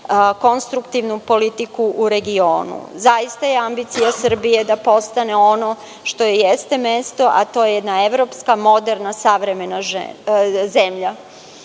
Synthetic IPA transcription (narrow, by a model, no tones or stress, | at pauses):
ko̞nst̪ɾukt̪iʋnupo̞lit̪ikuʔuɾe̞ɡio̞ːnṵzajist̪aje̞ambit̪sijasr̩bije̞d̪apo̞st̪ane̞o̞no̞ | ʃt̪o̞jejest̪e̞mest̪oʔa̰t̪o̞jejed̪naeʋɾo̞pskamo̞d̪eɾnasaʋɾe̞me̞naʒ̰ | zemʎa